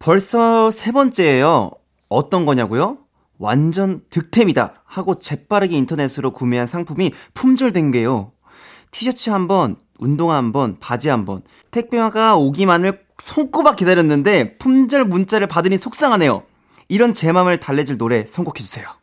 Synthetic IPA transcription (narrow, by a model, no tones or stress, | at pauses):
pʌɭs͈ʌsʰe̞bʌnt͡ɕ͈e̞ːjʌː | t͈ʌnɡʌɲaɡojo | wa̰nd͡ʑʌntɯk̚tʰe̞mida̰ | haɡot͡ɕe̞p͈aɾɯɡeintʰʌne̞sʰɯɾokumeɦansʰaŋpʰumipʰumd͡ʑʌɭdwe̞nɡe̞jo | tʰiɕʰʌt͡ɕʰɯɦambʌn | undoŋɦambʌnpad͡ʑiɦambʌ̰n | tʰe̞k̚p͈jowaɡaoɡimanɯɭ | sʰʌŋk͈obak͈idaɾjʌnːɯnde̞pʰumd͡ʑʌɭmunt͡ɕ͈aɾɯɭpadɯɲisʰok̚s͈aŋɦane̞jo̰ | iɾʌnt͡ɕe̞mamɯɭtaɭːe̞d͡ʑiɭnoɾe̞sʰʌŋɡokʰe̞d͡ʑusʰe̞jo